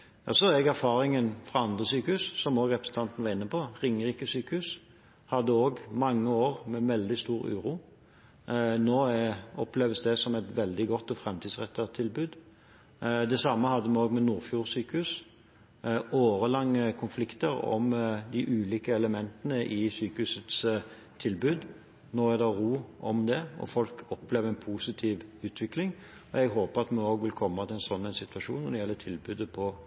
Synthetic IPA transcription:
jɑ̰sɔɛɡæʁfɑːʁɪŋənfʁɑɑnd̪ʁəsyːkəhʉssɔmoːɡʁɛpɾəsn̩t̪ɑnt̪nəʋɑʁɪnːəpʰɔʁɪŋəʁiːkəsyːkəhʉs | hɑd̪ːəoːɡmɑŋːəoːʁmɛʋɛld̪ɪst̪uːɾʉ̰ːɾuː | noːɔpleːʋəsd̪ɛsɔmɛt̪ʋɛld̪ɪɡɔt̪ːɔfɾɛmt̪ʰiːd̪sʁɛt̪ːət̪ʰːɪlbʉːd̪ | d̪ɛsɑmːəhɑd̪ːəmɛoːɡmɛnuːʁfjuːʁsyːkəhʉs | oːɾəlɑŋːəkʰʊnflɪkt̪əɾɔ̰md̪ɪʔʉːliːkəɛləmɛnt̪ənəʔɪsyːkəhʉsət̪s | t̪ʰɪlbʉːd̪ | nɔɛd̪ɑɾuːʔɔmd̪ɛɔ̰fɔlkʰɔpleːʋəɛnpʰusɪt̪ʰiːʋʉːt̪ʰʋɪklɪŋ | ɔɛɡɦoːpəɾɑt̪mɛoːɡʋɪlkʰɔmːɑt̪ɪæɛnsɔnːæɪnsɪt̪ʉʋɑʂṵːnːɔd̪ɛjɛlːət̪ʰɪlbʉːd̪əpʰɔ

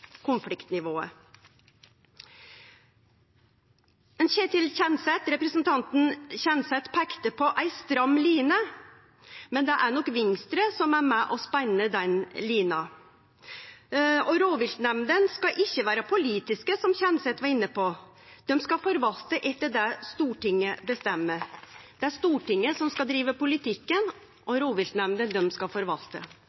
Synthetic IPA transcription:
kʰʊnflɪkt̪nɪʋoːə̰ | ɛnçeːʈ̪ʰɪlçɛnsɛt̪ɾɛpɾəsn̩t̪ʰɑnt̪n̩çɛnsɛt̪pʰɛkt̪əpʰɔʔæɪst̪ɾɑmːliːnə | mɛnd̪ɛʔæɳɔkʋɪŋst̪ɾəsɔmæɾmɛʔɔspænəd̪ɛnliːnɑ | ɔɾoːʋɪlt̪nɛmnd̪ənskɑʔɪçːəʋæːɾəpʰʊliːt̪ɪskəsɔmçɛnsɛt̪ʋɑɾɪnːəpɔ | d̪̥ɛmskɑfɔɾʋɑlt̪əʔɛt̪ːəɖɛst̪uːʈɪŋːəbəst̪ɛmːəd̪̥ɛæʂt̪uːʈɪŋːəsɔmskɑd̪ɾiːʋəpʊlɪt̪ʰɪkːən | ʔɔɾoːʋɪlt̪nɛmd̪ənd̪ɛmskɑfɔɾʋɑlt̪ə̰

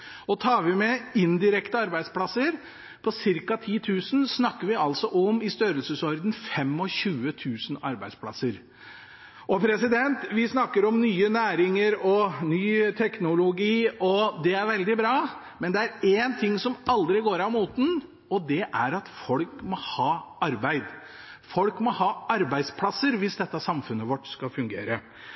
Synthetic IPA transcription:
ɔt̪ʰɑːɾʋɪmɛɪnd̪ɪɾɛkt̪əɑɾbæɪd̪spʰlɑsəɾ | pʰɔsɪɾkɑt̪ʰiːt̪ʰʉːsn̩snɑkːəɾʋɪɑlsɔʔɔmɪst̪œɾəlsəsɔɾd̪n̩fɛmːɔɕʉːət̪ʰʉːsnɑ̰ɾbæ̰ɪspʰlɑ̰səɾ | ʔɔpʰɾɛsɪd̪ɛnt̪ʋɪsnɑkːəɾɔmnyːənæːɾɪŋəɾɔnyːt̪ʰɛknʊlʊɡiːɔd̪ɛæɾʋɛld̪ɪbɾɑː | mɛnd̪ɛæɾeːnt̪ʰɪŋːsɔmɑld̪ɾɪɡoːɾɑʋmuːt̪n̩ | ɔd̪ɛʔæɾɑt̪fɔlkmɔhɑːɑɾbæɪd̪ | fɔlkmɔhɑːɑɾbæɪd̪spʰlɑsəɾʋɪsd̪ɛt̪ːɑsɑmfʉnːəʋɔʈːskɑfʉŋɡḛːɾə

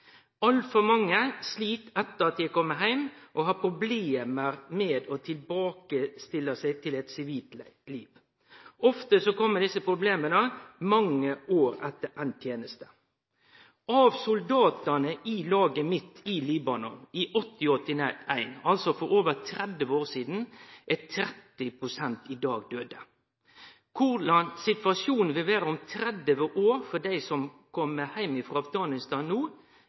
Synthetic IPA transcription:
ɑlt̪fɔɾmɑŋːəsliːt̪ɛt̪ːəɾɑt̪jæɪkʰɔmːəɦæɪmʔɔɦɑpʰɾʊbleːməɾmɛːd̪ot̪ʰɪlbɑːkəst̪ɪlːəsæɪt̪ʰɪlɛt̪sɪʋiːt̪liːʋ | ʔɔft̪əsɔkɔmːəd̪ɪsːəpʰɾʊbleːmənəmɑŋːəʔoːɾɛt̪ːəʔænt̪ʰjeːnəst̪ə̥ | ʔɑʋsʊld̪ɑːt̪ənəʔɪlɑːɡəmɪt̪ːɪliːbɑnɔnɪʔɔt̪ːɪɔt̪ːɪæɪnɑlsɔfɔɾoːʋət̪ʰɾɛd̪əʋoːɾsiːd̪n̩ʔæt̪ʰɾɛt̪ːɪpʰɾʊsɛnt̪ɪd̪ɑːɡd̪øːd̪ə | kʰʊɾlɑnsɪt̪ʋɑsjuːnn̩ʋɪlʋæːɾəɔmt̪ʰɾɛd̪əʋəʔoːɾfɔd̪æɪsɔmkʰɔmːəhæɪmɪfɾɑɑfɡɑːnɪst̪ɑːnːuː

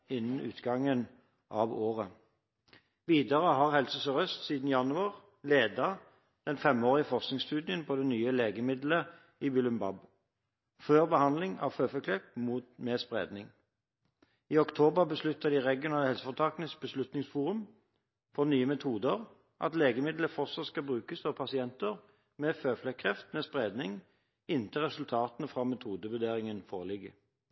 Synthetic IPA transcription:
ɪnːn̩ʉ̰ːt̪ɡɑŋən | ʔɑːʋoːʁə | ʋiːd̪əʁəɦɑʁhɛlsəsəʁœst̪siːd̪n̩jɑnʉɑʁ | leːd̪ɑ | d̪̥ɛnfɛmoːʁɪəfɔʁsknɪŋst̪ʉːd̪ɪənpʰod̪ɛnyːəleːɡəmɪd̪lə | ibʏlʉmbɑ̰b | føːʁbəhɑnd̪lɪŋɑ̰ʋføfɔkʰlɛpmuːt̪meːspʁḛːd̪nɪŋ | iːɔkt̪ʰoːbəʁbəslʉt̪ːəd̪iʁɛɡɪʊnɑːləhɛlsəfɔt̪ʰɑːkənəs̚bəslʉt̪nɪŋsfuːʁʉm | fɔʁnyːəmɛt̪ʰuːd̪əʁ | ʔɑ̰t̪leːɡəmɪd̪ləfɔʁtsɑt̪skɑbʁʉːkəsɔʋpʰɑsɪɛnt̪əʁ | meːføːflɛkʰʁɛft̪mɛːspʁeːd̪nɪŋ | ɪnt̪ʰəʁɛsʉlt̪ʰɑːt̪nəfʁɑmɛt̪ʰuːd̪əbəd̪eːʁɪŋənfo̰ːʁəlɪɡə̰

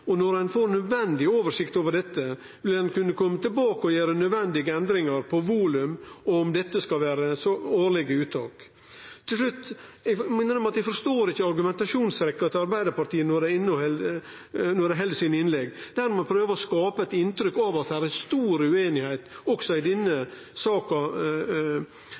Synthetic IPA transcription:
ɔnɔɾhɛnfoːɾnœd̪ʋɛnd̪ɪoːʋəʂɪkt̪oːʋəɖɛt̪ːə | ʋɪlhɛnkʉnːəkʰɔmːət̪ʰɪlbɑːkəɔjeːɾənœd̪ʋɛnd̪ɪɡəɛnd̪ɾɪŋɑɾpʰɔʋuːlʉmɔmd̪ɛt̪ːəskɑlʋæːɾəsɔoːɭɪɡəʉːt̪ʰːɑ̰ːk | t̪ʰːɪls̬ʂlʉt̪ːɛmɛnəɾɔmɑt̪d̪ɛfɔɾʂt̪oːɾɪçːəɑɾɡʉmɛnt̪ɑʂuːnsɾɛkːɑt̪ɑɾbæɪd̪əɾpɑt̪iːənɔɖ̪ɛɪnːɔɛl | nɔɖɛɦɛld̪əsɪnɪnlɛɡd̪̥æɾmɛɑnpʰɾøːʋəɾɔskɑːpəɛɪt̪ɪnt̪ɾʏkːɑːʋɑt̪̚d̪hæːɾæst̪uːɾʉeːnɪhæɪt̪ɔksɔɪd̪ɛnːə | sɑːkɑ

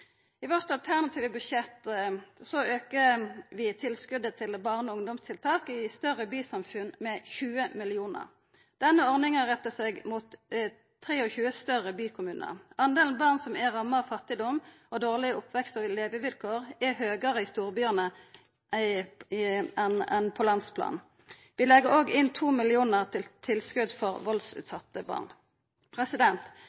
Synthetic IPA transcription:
ɪʋɔʁt̪ɑlt̪ʰæʁnɑt̪ʰiːʋəbʉdʃɛt̪ːsɔøːkəʋɪt̪ʰɪlskʉd̪ət̪ʰɪlbɑʁnɔʊŋd̪ɔmst̪ʰɪlt̪ʰɑːkɪst̪œʁəbyːsɑmfʉnmɛçʉːəmɪlɪuːnə̰ʁ | d̪̥ɛnːəɔʁnɪŋəʁɛt̪ːəseːɡmuːt̪ʰː | ʁeːɔçʉːəst̪œʁəbyːkʰʊmʉːnʔə̰ɑnd̪eːlnbɑʁnsɔmæʁɑmːəɑfɑt̪ːɪd̪ɔm | ɔd̪oːʁlɪəʊpʰʋɛkst̪əʋleːʋəʋɪlkʰoːʁɛhøːɡɑʁəɪst̪uːʁbyːənə | ɛnɛnpʰɔlɑnspʰlɑ̰ːn | ʋɪlɛɡəʁoːɡɪnt̪ʰuːmɪlɪuːnəʁt̪ʰɪlt̪ʰɪlskʉd̪fɔʁʋɔlsʉ̰ːt̪sɑt̪ːəbɑ̰ʁn | pʰʁɛsɪd̪ɛnt̪

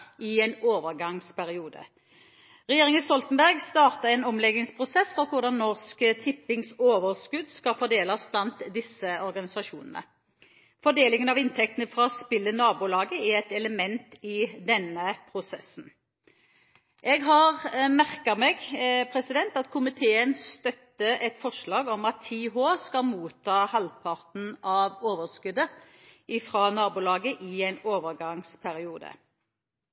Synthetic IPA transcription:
ɪɛɪnoːʋəʁɡɑŋspʰæɾɪuːd̪ə̰ | ʁɛjeːʁɪŋəst̪ɔlt̪ənbæʁɡst̪ɑːʁt̪ɑɛnɔmlɛɡɪŋspʰʁʊsɛsfɔkʰʊʁd̪ɑnːɔʁskət̪ʰɪpːɪŋsoːʋəʁskʉd̪skɑfɔd̪eːlɑsblɑnt̪d̪ɪsəɔɾɡɑnɪsɑʃṵːnənə̰ | fɔd̪eːlɪŋənɑʋɪnt̪ʰɛkt̪nəfɾɑɔspɪlːənɑːbulɑːɡəæʁɛt̪ɛləmɛnt̪ɪd̪ɛnəpʰʁʊsɛsn̩ | ʔɛɡɦɑʁmæʁkɑmɛːɡpʰɾɛsɪd̪ɛnt̪ɑt̪kʰʊmɪt̪ʰeːənst̪œt̪ːəʔɛt̪fɔʂlɑːɡɔmɑt̪ʰːiːɦoːskɑlmuːt̪ʰːɑːhɑld̪pʰɑʁt̪n̩ɑʋoːʋəskʉd̪ə | ʔɪfʁɑːnɑːbʊlɑːɡəʔɪæɪnoːʋəʁɡɑŋspʰæɾɪuːd̪ə̰

